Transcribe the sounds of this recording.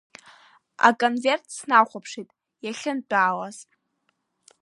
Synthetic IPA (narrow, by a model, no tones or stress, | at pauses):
a̰kʼonvertʰsnaχʷapʰʂitʼ | jaɬʲɪndʷʼaːlaz̥